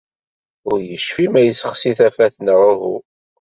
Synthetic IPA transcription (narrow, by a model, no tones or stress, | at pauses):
ʊɾjəʃfimæjəsəχsiθæfæθnʁʊɦu